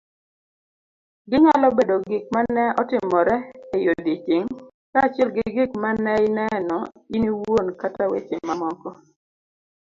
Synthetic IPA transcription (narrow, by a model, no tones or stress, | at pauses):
ɡɪŋalɔbedoɡɪk̚manɛɔtɪmɔɾɛejod̪it͡ʃɪŋ | kaːt͡ʃɪɛlɡɪɡɪkmanɛɪnɛnɔiniwonkatawet͡ʃemmːamɔkɔ